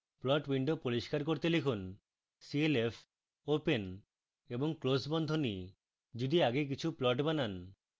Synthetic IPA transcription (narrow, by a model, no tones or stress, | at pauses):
plɔʈbiɳɖopoɾiʃkaɾkoɾt̪elikʰun | sielepʰ | open | eboŋklosbɔnd̪ʱoni | d͡ʑud̪iaɡek̬it͡ɕʰuplɔʈbanan